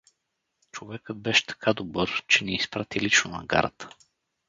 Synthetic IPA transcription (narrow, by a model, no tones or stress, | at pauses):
t͡ʃovɛkəd̪̚bɛʃɛ̥t̪ʰɐ̥kʰad̪obɤɾt͡ʃɛniːspɾat̪ilit͡ʃnonɐ̰ɡa̰ɾə̰t̪ə̥